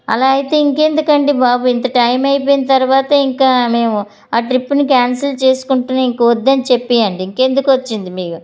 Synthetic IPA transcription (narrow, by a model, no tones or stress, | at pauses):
ɐ̰laːjit̪e̞ːiŋke̞nd̪ukɐɳɖibaːbuːint̪ɐʈɐjmɐjpoːjinɐt̪ɐɾuʋaːt̪ɐiŋkaːme̞ːmu | aːʈɾipːunikaːnsɐlt͡ʃe̞ːsu̥kuɳʈuːnɐiŋkɐʋɔd̪ːɐnit͡ʃe̞pːiːjɐɳɖiiŋke̞nd̪ukʋɐt͡ʃːind̪imiːku